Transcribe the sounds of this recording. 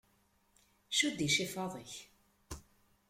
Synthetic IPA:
ʃud̪iʃifɑðˤəç

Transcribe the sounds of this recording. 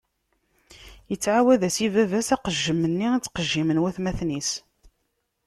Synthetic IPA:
jət͡sːʕawæðæsivævæsæqəʒːəmənːiat͡sːqəʒːimənwæθmæθnis

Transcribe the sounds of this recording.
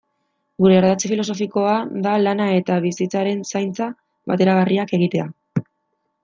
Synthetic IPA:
ɡuɾe̞ːɾðat͡sefilo̞s̬o̞fiko̞aðalanae̞t̪aβisit͡saɾe̞nsajnt͡sa | βa̰t̪e̞ɾaɣ̞ariake̞ɣ̞it̪e̞a

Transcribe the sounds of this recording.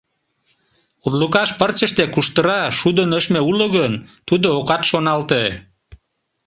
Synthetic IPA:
ud̪lukɑʃpərt͡ɕəʃt̪ekuʃt̪əɾɑʃud̪ənøʃmeuloɣənt̪ud̪ookɑt̪ʃonɑlt̪e

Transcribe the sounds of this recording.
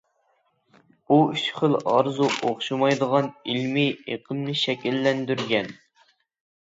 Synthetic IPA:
buyʃχəlˠɑɾzuʔoχʃumɑjd̪əʁɑnilmieqʰəmnɨʃɛkʲɛlːɛnd̪yɾɡʲɛn

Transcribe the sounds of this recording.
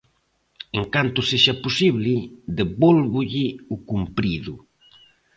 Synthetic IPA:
eŋkant̪ʊseʃaposiβlɪðeβolβʊʎɪukumpɾiðʊ

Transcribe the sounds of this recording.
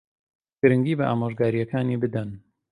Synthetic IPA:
ɡ̥ɨɾɨŋɡiːbɐʔa̰ːmoːʒɡaːɾijɐkʰaːniːbɨd̪ɐn

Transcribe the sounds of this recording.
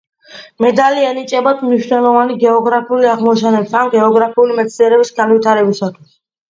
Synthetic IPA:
mɛd̪aliɛnit͡ʃʼɛbad̪mniʃnɛlˠɔvaniɡɛɔɡɾapʰiuliaʁmɔt͡ʃʰɛnɛsanɡɛɔɡɾapʰiulimɛt̪sʰiɛɾɛbisɡanvit̪ʰaɾɛbisat̪ʰwi̥s

